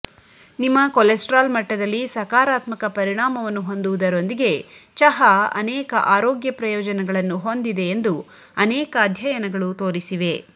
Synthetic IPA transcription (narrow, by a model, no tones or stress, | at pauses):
nimːɐkolesʈɾaːlmɐʈːɐd̪ɐlːisɐkaːɾaːt̪mɐkɐpɐɾiɳaːmɐʋɐnːuɦo̞nd̪uʋud̪ɐɾo̞nd̪iɡe̞t͡ʃɐɦɐɐ̰nɛːkɐʔaːɾoɔːɡjɐpɾɐjɔːd͡ʒɐnɛɡɐɭɐnːuɦo̞nd̪id̪e̞ːnd̪u | ɐnɛːkaːd̪ʱjɐjɐnɐɡɐɭut̪o̞ːɾisiʋe̞